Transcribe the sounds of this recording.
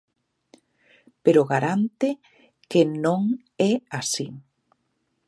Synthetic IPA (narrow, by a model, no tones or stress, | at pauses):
peɾoɣaɾant̪ɪ | kenõŋ | ɛasi